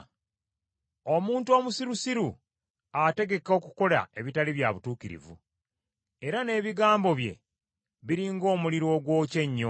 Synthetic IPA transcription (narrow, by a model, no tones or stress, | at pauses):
o̞muːntuo̞ːmusiɾusiɾu | ate̞ɡe̞ko̞kuko̞la̰e̞βitaliβjaβutuːkiɾḭvṵ | e̞ɾane̞ːβiɡaːmbo̞βje̞̰ | βiɾiŋɡo̞ːmuliɾo̞ɡwo̞ːce̞ɲːo